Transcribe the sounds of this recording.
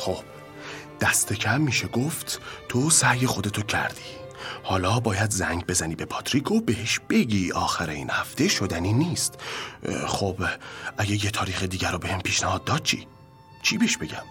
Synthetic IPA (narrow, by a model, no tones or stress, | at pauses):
xob̥ | d̪̥æst̪ʰe̞cʰæmːiːʃeɡoft̪ʰt̪ʰosæje̞xo̞d̪e̞t̪ʰocʰæ̰ɾd̪̥i̥ː | hɒːlɒːbɒːjæd̪zæŋɡbe̞zæniːbe̞pʰɒt̪ʰɾiːkʰo̞beheʃb̥e̞ɟiːʔɒːxæɾe̞ḭːnhæft̪e̞ʃod̪æniːniːst̪ | xobʔæɟejet̪ʰɒːɾiːxed̪iːɟæɾobehempʰiːʃnæhɒːd̪̚ːɒːd̪̥̚t͡ʃʰḭː | t͡ʃʰiːbeʃbe̞ɟæ̰m